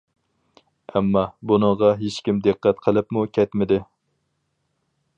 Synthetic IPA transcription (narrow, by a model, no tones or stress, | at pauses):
ɛmːɑbunəʁɑɦeʃkʲimd̪ɨqːɛt̪qʰəlˠɨpmukʲʰɛt̪mɪd̪ɪ